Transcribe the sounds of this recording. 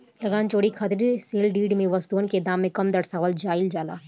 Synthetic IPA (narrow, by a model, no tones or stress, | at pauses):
lɐɡaːnt͡ʃoːɽikʰɐt̪ɾiseːlɖiːɖmẽʋɐst̪uənked̪aːmːẽkɐmd̪ɐɽsaːʋəld͡ʒaːɪld͡ʒaːla̰ːɦɛ